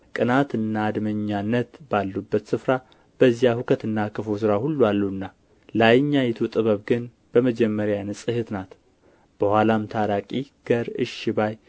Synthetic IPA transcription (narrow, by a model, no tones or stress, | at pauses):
kʼɨnat̪ɨnːaːd̪məɲːanːət̪balːubːət̪sɨfɾa | b̥əzijahukʰət̪ɨnːakʰɨfos̬ɨɾahulːualːuɨnːa | lajɲːajɛt̪ʰut̪ʼɨβəβɡɨn | b̥əməd͡ʒɛmːəɾjanɨsʼɨhɨt̪nat̪ | b̥əhwʷalamt̪ʰaɾakʼiɡ̥əɾɨ̰ʃɪbaj